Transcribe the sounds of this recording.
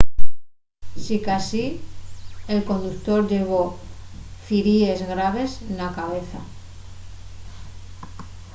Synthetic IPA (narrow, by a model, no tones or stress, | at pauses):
sikasi | e̞lko̞nd̪ukt̪o̞ɾʝe̞β̞o̞ | fiɾie̞zɣɾaβ̞e̞snakaβe̞θa